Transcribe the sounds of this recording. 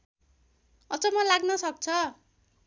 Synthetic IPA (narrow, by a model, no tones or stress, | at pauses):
ʌd͡zʌmʌlaɡnʌsʌk̚t͡sʰʌ